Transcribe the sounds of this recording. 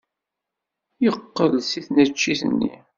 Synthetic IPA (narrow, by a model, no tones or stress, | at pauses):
jəqːəlsiθnət͡ʃːiθə̰nːḭ